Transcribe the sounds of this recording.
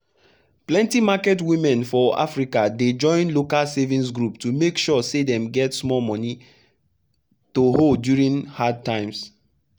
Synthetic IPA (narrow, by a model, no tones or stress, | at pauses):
plɛ̃ntimakɛtwĩmɛ̃nfɔa̰fɹikaded͡ʒɔ̃ɪ̃nlokalsevĩns̬ɡɹuptumekʃɔsedɛ̃mɡɛtsmɔlmɔ̃ni | toholdjuɹĩnhad̚tãɪ̃ms